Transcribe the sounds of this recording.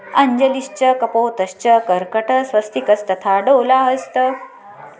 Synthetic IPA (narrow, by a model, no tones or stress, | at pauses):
əɲd͡ʑəliɕt͡ɕəkəpoːt̪əɕt͡ɕəkəɾkəʈʰəsʋəst̪ʰikət͡st̪ət̪ʰaɖowlaɦəst̪ə